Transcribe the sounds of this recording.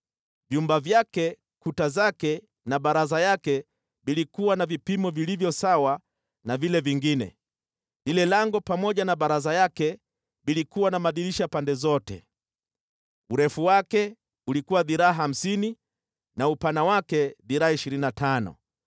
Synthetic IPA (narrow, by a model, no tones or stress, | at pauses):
vjumbavjakɛ | kutazakɛ | naɓaɾazajakɛ | ɓilikuwanavipimɔvilivjɔsawa | navilɛviŋɡinɛ̰ | lilɛlaŋɡɔpamɔʄanaɓaɾazajakɛ | ɓilikuwanamaɗiliʃapandɛzɔtɛ̰ | uɾɛfuwakɛ | ulikuwaðiɾaːɦaːm̩sini | naupanawakɛðiɾaaiʃiɾininatanɔ̰